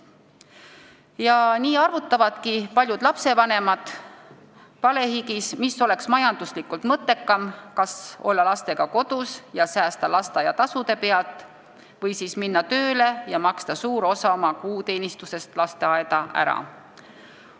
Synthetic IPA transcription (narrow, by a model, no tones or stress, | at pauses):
jɑniːɑrvut̪ːˑɑvɑd̪̥kipɑlʲjud̪̥lɑpse̞vɑne̞mɑd̪̥ | pɑle̞hikismiso̞le̞ksmɑjɑnd̪̥uslikːˑult̪mɤt̪ːˑe̞kːɑmkɑso̞̰lːɑlɑst̪e̞ɡ̥ɑko̞d̪̥usjɑsæːst̪ɑlɑst̪ɑjɑt̪ɑsud̪e̞pe̞ɑlt̪ˑ | vɤjsiːsminːɑt̪ø̞ːle̞jɑmɑkst̪ɑsuːɾo̞sɑo̞mɑkuːt̪e̞ːnist̪use̞st̪lɑst̪e̞ɑed̪ɑʔæ̰ɾɑ̰